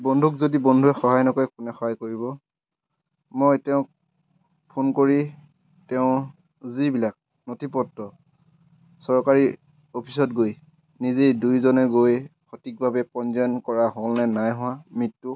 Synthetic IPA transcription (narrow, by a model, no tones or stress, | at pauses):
bɔndʱukzodibɔndʱuɛxɔɦajnɔkɔɛkunɛxɔɦajkoɹibɔ | mojtɛʊ̃k̚ | pʰonkoɹi | tɛʊ̃ | zibilak̚ | notʰipɔtːɔ | sɔɹkaɹi | opʰis̬ɔtɡoj | nizejdujzɔnɛɡojxʰotik̚bʱabɛpɔnzɛnkɔɹaɦolnɛnajɦʊwãmitːu